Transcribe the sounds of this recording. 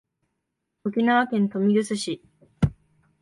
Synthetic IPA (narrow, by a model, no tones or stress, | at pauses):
okʲinaβakẽ̞nt̪o̞mʲiɾɯ̟sɨɕi